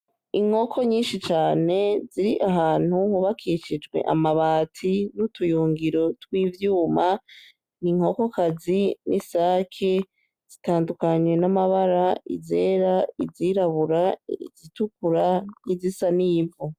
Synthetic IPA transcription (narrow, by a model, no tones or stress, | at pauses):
iŋ̥ho̞kʰo̞ɲiːnʃit͡ʃaːne̞ziɾiʔaɦaːn̥huhuβakʰiʃid͡ʒɡwe̞̰ʔa̰maβaːtʰinutʰujuːŋɡiɾo̞twiːvjuːma | niŋo̞ko̞kazinisaːkʰe | z̥itaːndukaɲwe̞namaβaɾaḭzeːɾaiziɾaβuɾaiz̥itukuɾanizisaniːvu